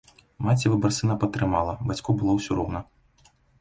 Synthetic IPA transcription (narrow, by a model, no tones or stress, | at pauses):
mat͡sʲivɨbɐrsɨnɐpɐt̪ːɾɨmalˠɐbat͡sʲkubɨlˠɔwsʲuɾɔwnɐ